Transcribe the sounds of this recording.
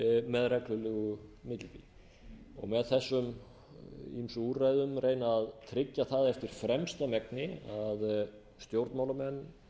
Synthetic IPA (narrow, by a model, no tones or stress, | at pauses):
mɛðrɛklʏlɛɣʏmɪt̪lpi | ɔ̰ɣmɛðθɛsːʏm | imsurajðʏmrʔeːjnaːðt̪ʰɾɪcːaθaðɛft̪ɪɾ̥fɾɛmst̪amɛknɪað | st̪jowɾt̪mawlamɛnː